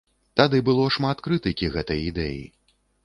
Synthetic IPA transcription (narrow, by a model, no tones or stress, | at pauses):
t̪ad̪ɨbɨlˠɔʂmat̪kɾɨt̪ɨkʲiɣɛt̪ɐjid̪ɛ̰jḭ